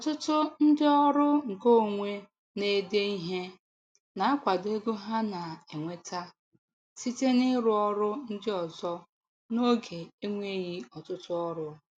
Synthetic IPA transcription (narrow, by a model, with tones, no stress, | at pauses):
ɔ˨tʊ˦tʊ˦n̩˦dɪ˦ɔ˦ɾʊ˦ŋ̩˨ko˦˨ŋʷe˦ | ne˦de˦i˦ɦe˦ | na˨˦kʷa˨de˦ɡo˦ɦa˦na˨e˨ŋʷe˦tʰa˦ | si˦te˦nɪ˦ɾʊ˦ɔ˦ɾʊ˦n̩˦dɪ˦ɔ˨zɔ˦ | no˦ɡe˨e˦ŋʷe˦ɣi˦ɔ˨tʊ˦tʊ˦ɔ˦ɾʊ˦